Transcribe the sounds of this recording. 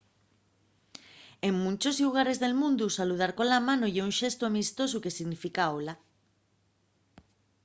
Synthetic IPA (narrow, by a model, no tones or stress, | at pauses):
eŋmũnt͡ʃosluɣ̞aɾezðelmũnd̪usaluð̞aɾkolamanojʎeuŋʃest̪oamist̪os̬ʊkesiɣnifikaola